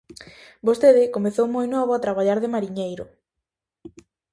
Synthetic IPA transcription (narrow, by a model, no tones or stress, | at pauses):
bost̪eðɪkomeθowmojnɔβoat̪ɾaβaʎaɾðemaɾiɲejɾʊ̰